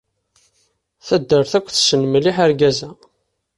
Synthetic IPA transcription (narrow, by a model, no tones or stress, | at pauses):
θəd̪ːəɾθækʷːθsənmliħəɾɡæzæ